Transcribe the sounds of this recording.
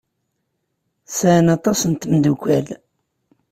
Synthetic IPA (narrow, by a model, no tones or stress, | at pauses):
sænɑt̪ˤɑsənt̪md̪ukʷæl